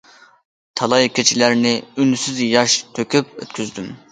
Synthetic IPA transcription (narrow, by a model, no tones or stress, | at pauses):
t̪ʰɑlˠɑjkʲʰet͡ʃʰilæɾnɪynysyzjɑʃt̪ʰøkʲyp̚ø̰t̪̚kʲʰyzd̪ym